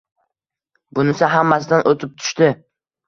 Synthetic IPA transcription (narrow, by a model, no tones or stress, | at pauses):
bʊnɪsaɦamːasɪd̪anʔot̪ʰɪp̚t̪ʰʊ̥ʃt̪ɪ